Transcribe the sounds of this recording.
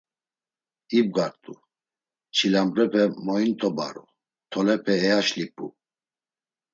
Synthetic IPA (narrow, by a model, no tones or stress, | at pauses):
ib̚ɡaɾt̪ʼu | t͡ʃʰilamɾɛpʰɛmɔint̪ʼɔba̰ɾṵ | t̪ʰɔlɛpʰɛːaʃlipʼṵ